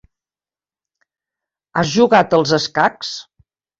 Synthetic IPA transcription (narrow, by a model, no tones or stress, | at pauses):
azʒuɣat̪əlˠzəskaks